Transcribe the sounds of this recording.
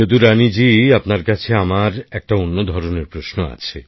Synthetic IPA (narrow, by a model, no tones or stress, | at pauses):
od̪uɾanid͡ʑiapnaɾkat͡ɕʰeamaɾɛk̚ʈaonːod̪ʱɔɾoneɾpɾosnoa̰t͡ɕʰḛ